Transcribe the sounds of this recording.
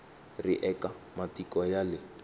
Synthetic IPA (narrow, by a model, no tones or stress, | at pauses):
riʔɛkamatikʼɔjalɪ